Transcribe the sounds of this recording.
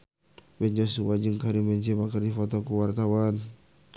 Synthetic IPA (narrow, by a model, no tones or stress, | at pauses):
bɛnd͡ʒɔsuwad͡ʒəŋkaɾimbɛnt͡ʃɛmakərdifɔt̪ɔkuwart̪awan